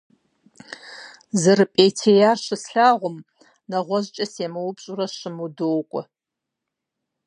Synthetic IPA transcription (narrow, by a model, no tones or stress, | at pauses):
zɨrɨpʼejtʰejaːʃɨsɬaːʁʷʊm | nɐʁʷɔʑt͡ʃʼɐseːmɨwʊpɕʼurɐʃɨmudowkʷʼɔ